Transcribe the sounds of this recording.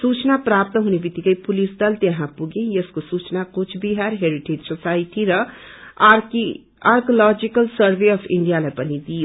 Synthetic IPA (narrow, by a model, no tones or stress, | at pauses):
sut͡ʃnaprap̚t̪ʌɦunebit̪ːikʌjpulisd̪ʌlt̪eɦãpuɡẽjʌskosut͡ʃnakot͡ʃʰbiɦaɾɦeɾiʈed͡ʒsosaiʈiɾʌ | aɾkolɔd͡ʒikʌlsʌɾbeʌpʰḭɳɖijalajpʌnid̪ijo